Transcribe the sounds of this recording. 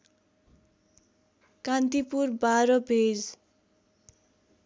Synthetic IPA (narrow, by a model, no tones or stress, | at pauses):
kant̪ipurbaɾʌbʱed͡z